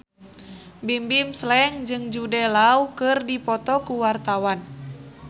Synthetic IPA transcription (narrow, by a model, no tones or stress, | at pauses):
bimbimslɛŋd͡ʒɨŋd͡ʒudɛlaukɨrdipɔt̪ɔkuwart̪awan